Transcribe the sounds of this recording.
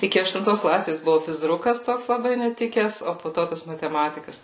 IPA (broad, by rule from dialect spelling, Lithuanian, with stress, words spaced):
ˈɪkʲɪ ɐʃtʊnˈtoːs ˈklˠɑːsʲeːs ˈbʊʋʊ fʲɪzˈrʊkɐs ˈtoːks lˠɐˈbɐɪ nʲɛˈtʲɪkʲɛs oː poː ˈtoː tɐs mɐtʲɛˈmɑːtʲɪkɐs